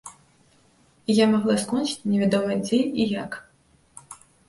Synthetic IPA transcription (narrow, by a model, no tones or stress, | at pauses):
ijamaɣlˠaskɔnʲt͡ʃi̥t͡sʲnʲɛvʲad̪ɔvɐd͡zʲɛijak